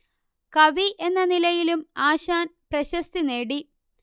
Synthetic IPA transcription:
kɐʋiʔe̞nːɐnilɐjilumaːɕaːnprɐɕɐst̪ine̞ːɽi

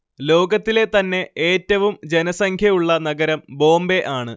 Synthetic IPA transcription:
lo̞ːɡɐt̪ːile̞t̪ɐnːe̞ʔeːtːɐʋumd͡ʑe̞nɐsɐŋkʰjɐuɭːɐnɐɡɐɾɐmbo̞ːmbe̞ʔaːɳɨ

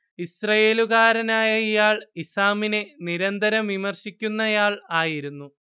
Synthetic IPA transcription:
isrɐje̞ːluɣaːɾɐnaːjɐijaːɭisaːmine̞niɾɐnd̪ɐɾɐmʋimɐrɕikʲːunːɐjaːɭaːjiɾunːu

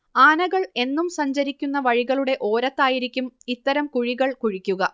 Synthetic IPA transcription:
aːnɐɣɐɭe̞nːumsɐɲd͡ʑɐɾikʲːunːɐʋɐɻiɣɐɭuɽe̞ʔoːɾɐt̪ːaːjiɾikʲːumit̪ːɐɾɐmkuɻiɣɐɭkuɻikʲːuɣɐ

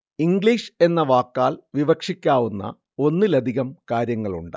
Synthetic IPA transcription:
iŋɡɭiːʂe̞nːɐʋaːkːaːlʋiʋɐkʂikʲːaːʋunːɐ̰ | o̞nːilɐd̪ʱiɣɐmkaːɾjɐŋːɐɭṵɳɖɨ̥

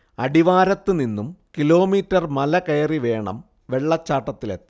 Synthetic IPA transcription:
ɐɽiʋaːɾɐt̪ːɨninːumkilo̞ːmiːtːɐrmɐlɐkɐjɐriʋe̞ːɳɐ̰m | ʋe̞ɭːɐt͡ɕːaːʈːɐt̪ːilet̪ːɐ̥

